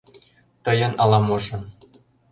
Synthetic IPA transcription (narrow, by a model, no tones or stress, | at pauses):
t̪ɤjɤ̆nɑlˠɑmoʒɤ̆n